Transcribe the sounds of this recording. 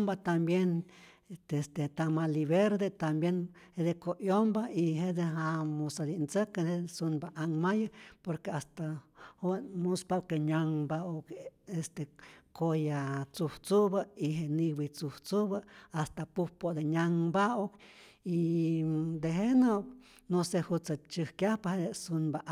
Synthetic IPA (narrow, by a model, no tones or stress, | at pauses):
mbat̪ambjen | est̪et̪amaliβeɾd̪et̪ambjen | hed̪ekoʔjombaiɦed̪eɦamusad̪int͡səkeesunbaʔaŋmajapoɾkeast̪ahonmuspawkeɲaŋbaokest̪ekojat͡suht͡subəiɦeʔniwit͡suht͡suβəast̪apuhpod̪eɲaŋbauk | i | d̪eɦeno | nosehut͡sat͡ʃɨhkjahpahed̪esunbaʔ